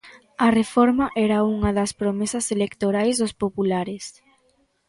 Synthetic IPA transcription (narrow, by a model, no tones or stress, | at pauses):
ɐrefɔɾmɐʔɛɾɐuŋɐðɐspɾomesɐselekt̪oɾajzðʊspopulaɾɪs